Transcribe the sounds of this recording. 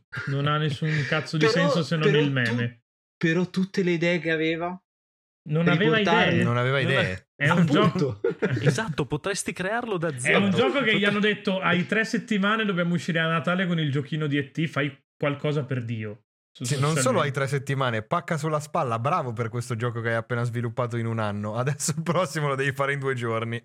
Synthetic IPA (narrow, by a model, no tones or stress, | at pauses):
nonanːesːuŋkat̪sːod̪isɛns̬osenonilmɛːme | peɾɔt̪ːut̪ːeleid̪ɛːekeaveːva | nonaveːvaid̪ɛːenonaveːvaid̪ɛːe | ɛund͡ʒɔkezat̪ːopot̪ɾest̪ikɾearlod̪ad̪zɛund͡ʒɔːkokeijoanːod̪et̪ːoajt̪ɾɛsːet̪ːimaːned̪objaːmouʃːiːɾeanːat̪aːlekonild͡ʒokiːnod̪iet̪ːifaj | kwalkɔːzaperd̪iːo | susinonsoːloajt̪ɾɛsːet̪ːimaːnepakːasulːaspalːabɾaːvoperkwest̪od͡ʒɔːkokeajapːeːnazvilupːaːt̪̬oinunanːoad̪ɛsːolpɾɔsːimolod̪ɛvifaːɾeind̪ued͡ʒorni